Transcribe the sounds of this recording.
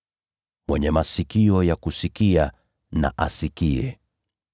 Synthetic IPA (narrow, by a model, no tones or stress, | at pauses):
mwɛɲɛmasikiɔjakusikia | na̰ʔasikiɛ̰